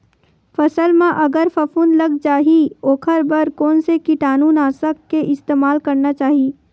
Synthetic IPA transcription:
fɐsəlmãʔɐɡəɾfɐfuːnlɐɡd͡ʒaːɦioːkʰəɾbəɾkɔːnsekiʈaːnuːnaːsəkːeʔɪst̪eːmaːlkɐɾnat͡ʃaːɦiː

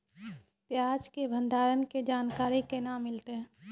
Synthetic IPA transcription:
pjaːd͡ʒkebʱə̃nd̪ʱaːɾənked͡ʒaːnkaːɾikenaːmːɪlt̪eɦɛ̃ː

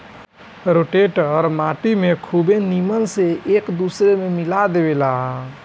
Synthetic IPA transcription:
ɾoʈeʈɔːɾmaʈ̪imekʰubeniməlseeːkd̪usɾememilad̪ebelaɦ

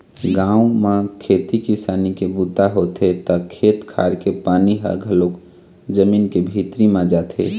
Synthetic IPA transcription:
ɡãːũmãkʰet̪ikisaːnikebut̪aɦot̪et̪ɔkʰet̪kʰa̰ːɾkepaːniɦə̰ɡʱəlok | d͡ʒəminkebʱit̪ɾimãd͡ʒat̪ḛ

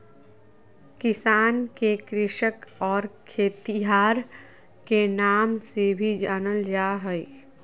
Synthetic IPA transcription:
kɪsaːnkekɾɪʃəkɔːɾkʰeːt̪iɦaːɾ | kenaːmsebʱid͡ʒaːnəld͡ʒaːɦəi

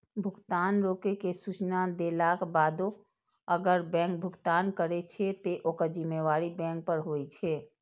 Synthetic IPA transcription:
bʱʊɡt̪anɾokekesut͡ʃnad̪elakbad̪o | əɡəɾbɛ̃ŋk̚bʱʊɡt̪aːnkəɾet͡ʃʰɛt̪eʔokəɾd͡ʒimːeʋaɾibɛ̃ŋk̚pəɾɦojt͡ʃʰɛ

